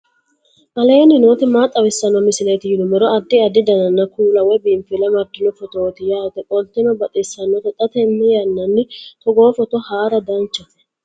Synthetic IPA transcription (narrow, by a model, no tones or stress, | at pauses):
kɐleːnɪnoːt̪ɛmaːt̪ʼːɐwɪsːɐnːɔmɪsɪleːt̪ɪhɪd̪ʊmɛɾɔɐd̪ːɪɐd̪ɪd̪ɐnɐnːɐkʰuːlɐwɛbimfɪlɐmɐɾd̪ɪnɔfɔt̪oːt̪ɪjaːt̪ɛkʼɔlt̪ːɛnɔbɐt̪ʼɪsɐnːɔt̪ɛt̪ʼɐt̪ɛmːɪjɐnːɐnːɪt̪ɔɡoːfɔt̪ɔhaːɾɐd̪ɐnt͡ʃːɐ